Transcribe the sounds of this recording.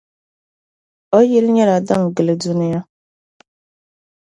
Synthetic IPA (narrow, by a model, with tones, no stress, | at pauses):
ɔ˦ji˦ɾɲɛ˦ɾa˨da˦˨ŋ˨ɡə˨lə˨du˦ni˦ja˦